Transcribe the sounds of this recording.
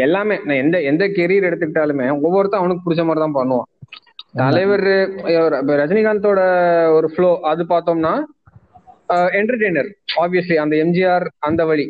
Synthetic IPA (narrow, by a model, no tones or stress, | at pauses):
ɛlːaːmeːnãːɛnd̪ɐɛnd̪ɐkɛɾɪjɐɾɛɽɯt̪ːɯk̬ːɪʈːaːlɯmeːɔʋːɔɾɯt̪ãːɐʋɐnɯkːɯpʊɽɪt͡ʃːɐmaːɾɐt̪ãːpɐɳːɯʋãː | t̪ɐlɐʋɐɾ | ɾɐd͡ʒɐnɪɣaːnt̪̬oːɽɐɔɾɯfɭoːʔɐðɯpaːɾt̪oːmnaː | ɛɳʈɐɾʈeːnɐɾaːbʋɪjɐsliɐnd̪ɐɛmd͡ʒiaːɾɐnd̪ɐʋɐɭi